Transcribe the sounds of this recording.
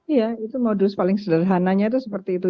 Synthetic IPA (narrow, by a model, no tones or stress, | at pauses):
ijait̪umauduɾspalɪŋsədarɦanaɲat̪usəpərt̪iːt̪u